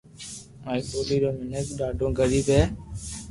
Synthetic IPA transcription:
aːiːkoːbiːɾoːmɪnəkɗaːɖʱõːɡəɾiːbɦɛː

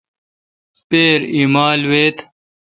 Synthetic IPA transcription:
peːɾimaːlweːt̪

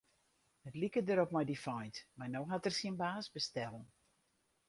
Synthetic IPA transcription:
nətlikədəɾɔpmajdifɔjntmarnowɦatərsiənbaːsbəstɛlˠn

